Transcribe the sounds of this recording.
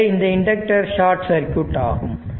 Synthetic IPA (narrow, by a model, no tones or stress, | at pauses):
ɪnd̪ɐɪɳɖɐk̚ʈɐɾʃaːʈsɐɾkːjʊʈːa̰ːɣɯm